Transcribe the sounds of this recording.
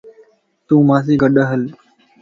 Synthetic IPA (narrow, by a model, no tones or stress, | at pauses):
t̪ũːmaːsiːɡəɗəɦəl